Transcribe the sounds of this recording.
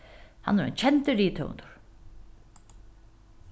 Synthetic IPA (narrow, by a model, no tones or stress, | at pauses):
ha̰nːɛɾɛ̰nt͡ɕʰɛnt̪əɾiːt̪ʰœ̰nt̪ʊ̥ɹ̥